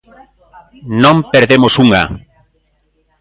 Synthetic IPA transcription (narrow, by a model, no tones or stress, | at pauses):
nõmpeɾðemosuŋa̰